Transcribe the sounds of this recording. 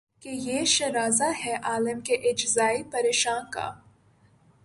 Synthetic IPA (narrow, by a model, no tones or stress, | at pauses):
kejeːʃɐɾaːzaɦɛʔaːləmkeʔɪd͡ʒzaːipɐɾeːʃaːnka̰ː